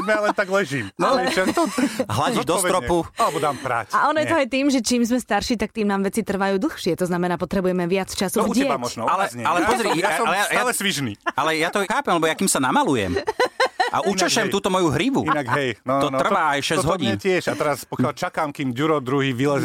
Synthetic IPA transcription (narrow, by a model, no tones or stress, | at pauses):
mjalɛnt̪aɡlɛʒiːmnɔakt̪ɔɦlaɟiʒd̪ɔsɾɔpualɛbɔd̪aːmpɾa̰caʔɔnɔjɛt̪ɔajt̪iːmʒɛt͡ʃiːmzmɛst̪aɾʃiːt̪ak̚t̪iːmnaːmʋɛt͡sit̪r̩ʋajuːd̪l̩xʃɪɛt̪ɔznamɛnaːpɔt̪ɾɛbujɛmɛʋɪat͡st͡ʃasuɪɛɛamɔʒnɔalɛzɲɛalɛpɔzɾiaalɛjaalɛsʋiʒniːalɛjat̪ɔxaːpɛmlɛbɔjakiːmsanamalujɛ̰m | ʔa̰ʔut͡ʃaʃɛmt̪uːt̪ɔmɔjuɦɾiʋṵinaɡɦɛjnɔt̪ɔr̩ʋaːajʃɛzɦɔɟiːntɪɛʃat̪ɛɾaspɔkɪjalt͡ʃakaːmkiːmɟuɾɔd̪ɾuɦiːʋilɛz